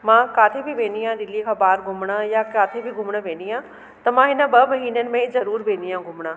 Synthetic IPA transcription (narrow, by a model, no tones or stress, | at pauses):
mãːkaːt̪ʰeːbiːbẽːnijãːd̪ɪlikʰaːbaːɾɡʱʊmnaːjaːkaːt̪ʰeːbʱiːɡʱʊmnãːʋeːnijãː | t̪aːmãːɦɪnãːbəməɦiːneːnmɛ̃ːzəɾuːɾbeːnijãːɡʱʊmɳãː